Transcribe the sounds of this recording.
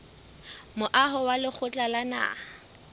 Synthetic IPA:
mʊʔaɦɔwalɪk͡xʰʊt͡ɬʼalana̰

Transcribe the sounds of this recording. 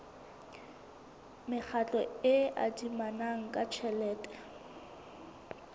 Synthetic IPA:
mɪk͡xʰat͡ɬʼɔɪa̰dimanaŋ̩kʼat͡ʃʰɛlɛːtʼɛ̥

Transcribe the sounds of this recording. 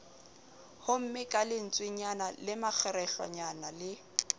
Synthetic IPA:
hʊm̩mɪkʼalɪn̩t͡sʼwɪɲanalɪmak͡xʰɛɾɛɬwa̰ɲanalɪ

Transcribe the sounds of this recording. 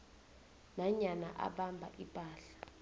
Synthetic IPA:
naɲana̰ʔa̰ɓambʱaʔipʼaːɬḁ

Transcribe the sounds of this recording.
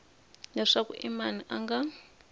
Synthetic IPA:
nɛʂakuʔimaniʔaŋɡa

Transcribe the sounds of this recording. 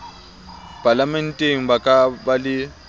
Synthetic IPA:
pʼalamɛn̩tʼeŋ̩bakʼabalɪ

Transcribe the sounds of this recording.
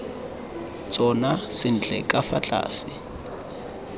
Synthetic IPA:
t͡sʼɔnasɪn̩t͡ɬʼɛkʼafat͡ɬʼa̰ːsɪ

